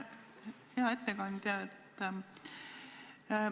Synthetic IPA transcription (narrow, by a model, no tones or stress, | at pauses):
heɑe̞t̪ːekɑnd̪̥jɑet̪ː